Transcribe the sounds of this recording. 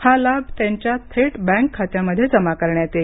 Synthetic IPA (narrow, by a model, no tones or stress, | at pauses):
halab̚ʱt̪jãɲt͡ɕjat̪ʰeʈbɛ̃ŋkʰːat̪jaməd̪ʱːjed͡zəmakəɾɳjat̪e